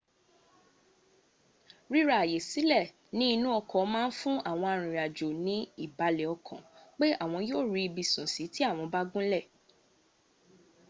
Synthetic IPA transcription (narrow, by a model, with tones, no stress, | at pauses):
ɾi˦ɾa˦˨a˨je˨si˨˦lɛ˦˨ | nĩ˦i˧nũ˦ɔ˧kɔ˨˦mãː˦˧n̩˦fũ˦a˦˨w̃ɔ̃˧a˧˨ɾ̃ĩ˨ɾa˨d͡ʒo˨nĩ˨˦i˦˨ba˨˦lɛ˨ɔ˧kʰɔ̰̃˨k͡pe˦a˦˨w̃ɔ̃˧joː˦˨ɾi˧i˧bi˨sũ˨si˨˦ti˦a˦˨w̃ɔ̃˧ba˦ɡũ˦lɛ˦˨